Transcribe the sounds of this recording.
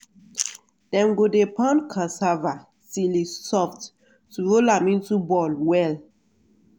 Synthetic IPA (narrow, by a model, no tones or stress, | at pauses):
d̥ɛ̃mɡodepʰãnkʰãsava | silisɔft | tuɹolamĩntubɔlwɛl